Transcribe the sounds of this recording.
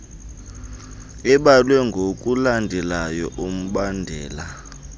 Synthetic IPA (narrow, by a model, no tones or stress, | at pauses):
ɛɓalwɛŋɡʱokʼulandʱɛlajɔʔum̩ɓandʱɛːla